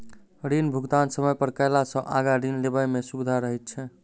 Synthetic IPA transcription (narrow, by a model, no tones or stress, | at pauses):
ɾinbʱuɡt̪ansəməjpəɾkəɪlasə̃ʔaɡaɾinlebəjmesubid̪ʱaɾəɦɛt̪̚t͡ʃʰɛ